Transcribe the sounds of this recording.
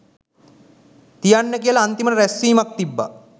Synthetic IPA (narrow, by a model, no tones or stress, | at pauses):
t̪ijanːəkiəlaːnt̪iməɾəɾæsiːmak̚t̪ibːa̰